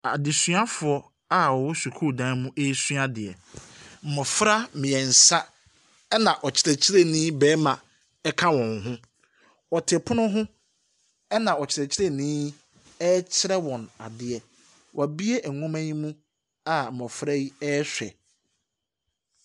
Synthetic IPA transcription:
a˨dɪ˨sɥa˦fʊ˨ɔ˦ | a˦wɔ˨wɔ˦su˨kʰu˦˨dã˦mũ˦ʔe˦sɥa˦dɪ˨ɛ˨ | m̩˨mɔ̃˨fɾa˦mɪ̃˨ɛ˨n̩˨sã˦ | ɛ˦nã˨ʔɔ˨t͡ɕʰɪ˨ɾɛ˨t͡ɕʰɪ˦ɾe˦nĩː˦bɛː˨˦mã˨ | ɛ˦kʰã˦wɔ̃˨nɦʊ̃˦ | ɔ˨tʰɪ˨pʰʊ˦nʊ̃˦ɦʊ̃˦ | ɛ˦nã˨ɔ˨t͡ɕʰɪ˨ɾɛ˨t͡ɕʰɪ˦ɾe˦nĩː˦ | ɛ˦t͡ɕʰɪ˦ɾɛ˦wɔ̃˨na̰˨dɪ˨ɛ˨ | wʔɔ˨bi˦e˦ʔɛ˨ŋɔ̃˦maæ̃˦ɲĩ˦mũ˦ | a˦m̩˨mɔ̃˨fɾa˦ji˦ɛ˦sᶣɛ̰˨

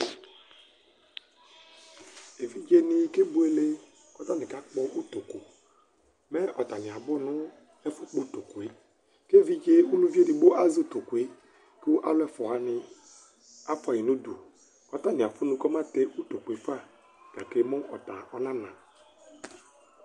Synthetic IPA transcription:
e˨vi˦d͡ʒe˦nɪ˦ke˦bu˨˦e˦le˦ | kɔ˦ta˦˨nɪ˨ka˦k͡pɔ˦ʔu˦to˨ko˨ | mɛ˦ʔɔ˨ta˨nɪ˨a˨bʊ˦nʊ˦ | ɛ˦fu˦k͡pu˦to˨ku˨e˨˦ | ke˦vi˦d͡ʒe˦u˦lu˦vi˦e˦˨di˨ɡ͡bo˦ʔa˦zi˦u˨to˨kwe˨˦ | ku˦ʔa̰˦lʊ˦ɛ˦fɔ˨a˦nɪ˦ | a˦pa˨i˨nu˦du˨ | kɔ˦ta˦nɪ˨a˨fʊ˦nũ˦kɔ˦ma˦te˦ʔu˦to˨ku˨e˨fa˦ | ka˨ke˦mʊ˦ʔɔ˨ta˨ɔ˦nã˦nã˨

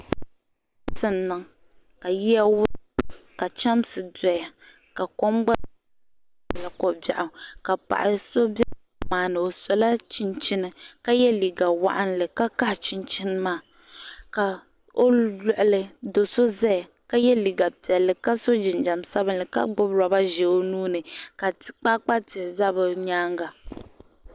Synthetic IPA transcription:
sɨ˨n˨nːɨ˨ŋ | ka˨ji˦a˦wʊ˦ka˨t͡ʃa˦m˦sɨ˨dɔ˨ja˨ | ka˨kɔ˦mɡ͡ba˦˨ | la˨kɔ˨ba̰˨ʔʊ˨ka˨pa̰˨ʔɪ˨so˦bɛ˦˨ | maː˨nɨ˨o˨sɔ˨la˦t͡ʃɪ˦nt͡ʃɪ˦nɨ˨ka˦jɛ˦li˨ɡa˨wa̰˦ʔa˦nlɨ˨ka˦ka˦ht͡ʃɪ˦nt͡ʃɪ˦nɨ˦maː˦˨ | ka˨ | o˦lʊ˨ʔʊ˨lɨ˨do˨so˦zɛ˦˨ | ka˦jɛ˦li˨ɡa˨pɛ˨lːɨ˨ka˦so˦d͡ʒɪ˨nd͡ʒa˨msa˦bɨ˦nlɨ˨ka̰˦ɡ͡bʊ˦bɾa˨ba˦ʒɛ˨o˦nuː˦nɨ˨ka˨k͡pa˦k͡pa˦tɪ˨hza˦bɨ˨ɲaː˦ŋɡa˨

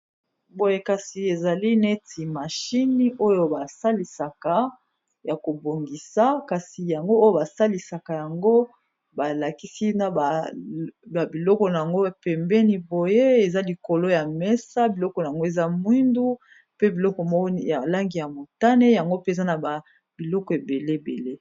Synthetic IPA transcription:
bo˨je˨ka˨si˨e˨za˨li˦nɛ˦ti˨ma˨ʃi˦ni˦ʔo˦jo˨ba˨sa˦li˨sa˨ka˨ | ja˨ko˨bo˨ŋɡi˨sa˦ka˨si˨ja˨ŋɡo˦o˦jo˦ba˨sa˦li˨sa˨ka˨ja˨ŋɡo˦ | ba˨la˨ki˦si˦na˨ba˨ | ba˨bi˨lɔ˦kɔ˨na˨ja˨ŋɡo˦pɛ˨mbɛ˦ni˨bo˨je˦e˨za˦li˨ko˨lo˦ja˨mɛ˦sa˦bi˨lɔ˦kɔ˨na˨ja˨ŋɡo˦e˨za˦mwi˦ndu˦ | pe˦bi˨lɔ˦kɔ˨m˦ja˨la˦ŋɡi˨ja˨mo˨ta˦ne˦ja˨ŋɡo˦pe˨za˦na˨ba˨ | b̥i˨lɔ˦kɔ˨e˨be˨le˦bḛ˨le˦

